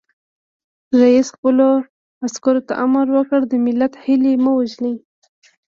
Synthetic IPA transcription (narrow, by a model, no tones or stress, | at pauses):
ɾaisxpəlo | askaɾot̪a̰ʔamaɾwəkəɽd̪əmɪlat̪hɪliməwaʒli